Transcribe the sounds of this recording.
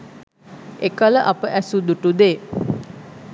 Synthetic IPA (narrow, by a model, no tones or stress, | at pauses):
ekələʔapəʔæsud̪uʈud̪eː